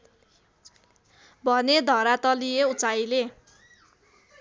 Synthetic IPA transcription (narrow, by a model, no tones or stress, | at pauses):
bʱʌned̪ʱʌɾat̪ʌlieut͡sajle